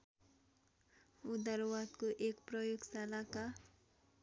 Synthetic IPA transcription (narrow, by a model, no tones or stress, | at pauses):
ud̪aɾwat̪koʔekprʌjoɡsalaka